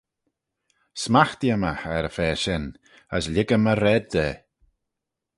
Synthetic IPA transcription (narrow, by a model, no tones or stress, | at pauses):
smaxt̪jəmaxɛɾəfɛːʃɪn | əslɪɡəməɾɛd̪̚deː